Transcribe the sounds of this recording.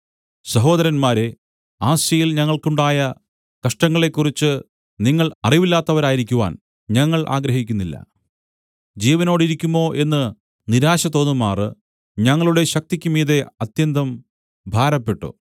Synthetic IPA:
sɐɦo̞ːd̪ɐɾɐnmaːɾe̞ | aːɕjɐjilɲɐŋːɐɭkuɳɖaːjɐ | kɐʂʈɐŋːɐɭe̞kːurit͡ɕːɨ | niŋːɐɭɐriʋilːaːt̪ːɐʋɐɾaːjiɾikʲːuʋa̰ːn | ɲɐŋːɐɭʔa̰ːɡɾɐɦikʲːunːilːɐ̰ | d͡ʑiːʋɐno̞ːɽiɾikʲːumo̞ːʔe̞nːɨ | niɾaːɕɐt̪o̞ːnːumaːrɨ | ɲɐŋːɐɭuɽe̞ɕɐk̚t̪ikʲːumiːðe̞ɐt̪jɐnd̪ɐm | bʱaːɾɐpːe̞ʈːṵ

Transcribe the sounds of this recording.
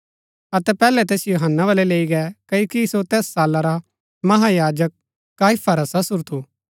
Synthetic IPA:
ɐt̪ɛpɛːlɛt̪̬eːsjoɦənːaʋɐlɛleːiɡɛkɐoːkisot̪ɛːsːaːlaɾa | mɐɦajaːd͡ʒək̚ː | aːifʰaɾasɐsʊɾt̪ʰuː

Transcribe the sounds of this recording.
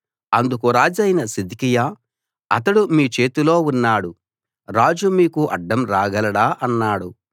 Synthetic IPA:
ɐnd̪ukuɾaːd͡ʒɐjnɐsid̪ikija | ɐt̪ɐɽumiːt͡ʃe̞ːt̪ulo̞ːunːaːɽu | ɾaːd͡ʒumiːkuʔɐɖːɐmɾaːɡɐlɐɽaːʔɐnːaːɽu

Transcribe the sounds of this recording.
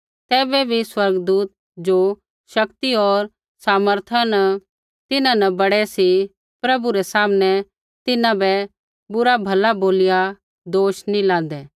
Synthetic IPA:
t̪ɛːbɛbʱiswɐɾɡd̪uːt̪̚ | d͡ʒo | ʃɐkt̪iɔːɾ | saːməɾt̪ʰanə | t̪ɪnãnɐbɐɽɛsi | pɾɐbuɾɛsaːmnɛ | t̪ɪnãbɛ | bʊɾabʱɐlaboːlɪja | d̪oːʃnĩlãːnd̪ɛː

